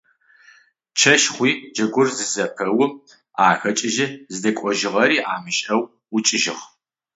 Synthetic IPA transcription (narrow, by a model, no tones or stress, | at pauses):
t͡ʃʰɐʃχʷiːd͡ʒɐɡʷʊrzɨzɐpʰɐwʊm | aːxɐt͡ʃʼɪʒɪzɨdɐkʷʼɔʒɪʁɐɾiːʔaːmɨɕʼɐw | ʊt͡ʃʼɪʒɪʁ